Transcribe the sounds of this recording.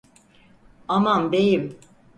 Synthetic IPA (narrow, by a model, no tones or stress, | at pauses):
amamd̪ejim